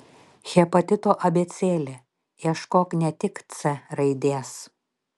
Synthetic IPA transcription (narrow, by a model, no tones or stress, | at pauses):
xʲɛpɐt̪ʲɪt̪oːʔɐbʲeːt̪sʲeːlʲe | iɛʃkoːknʲɛt̪ʲɪkt̪sʲɛɾɐɪd̪ʲeːs